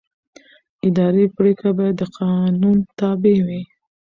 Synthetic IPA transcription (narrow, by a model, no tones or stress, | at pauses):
ɪd̪ɑɾepɾekabɑjad̪ːəqʰɑnunt̪ɑbewi